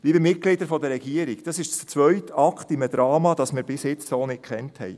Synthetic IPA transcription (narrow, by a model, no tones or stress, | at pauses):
liːbəmɪt̚ɡ̥lɪd̪əɾfɔd̪əɾɛɡiəɾɪɡd̥ɑsɪʃt͡st͡sʋœɥtɑkʰt̪iməd̪ɾɑːmɑd̥ɑsmɪːɾbɪsjɪt͡ssoːnɪt̚kχɛnthɛ̰j